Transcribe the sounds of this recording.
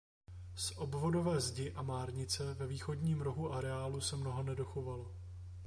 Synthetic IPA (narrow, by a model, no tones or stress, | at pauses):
sʔo̞bvo̞do̞vɛːzɟɪʔamaːɾɲɪt͡sɛvɛviːxo̞dɲiːmɾo̞ɦuʔaɾɛaːlusɛmno̞ɦonɛdo̞xo̞valo